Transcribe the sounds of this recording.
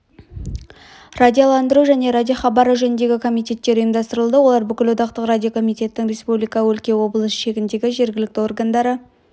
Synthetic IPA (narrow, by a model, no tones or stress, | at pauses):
radʲijolˠɑnd̪əɾuʒæne̞ɾad̪ʲijoχɑbɑɾəʒɵnɪnd̪e̞ɡʲɪkʰo̞mijt̪ʲe̞t̪ːe̞ɾʊjəmd̪ɑst̪əɾəlˠd̪əwo̞lˠɑɾbʏkʲɪlwot̪ɑqt̪əqrad̪ʲijo̞kʰo̞mijt̪ʲe̞t̪ːɪŋrʲe̞spublijkɑwɵlkʲe̞wo̞bəlˠəsʃe̞ɡʲɪnd̪e̞ɡʲɪʒe̞ɾɡʲɪlɪk̚t̪ɪo̞rɡand̪ɑɾə